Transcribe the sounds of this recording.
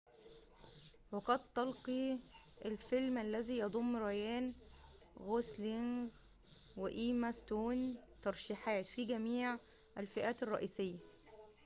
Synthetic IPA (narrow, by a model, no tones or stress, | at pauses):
wɑqɑd̪̚t̪ːɑlqiʔælfɪlmʔælːæziːjɑd̪ˤomːɾˤɑjæːn | ɣosliŋɡ | weʔiːmæst̪uːnt̪ɑɾˤʃiːħaːt̪fiɡæmiːʕ | ʔælfɪʔæːt̪erˤːɑ̰ʔiːsɪjːæ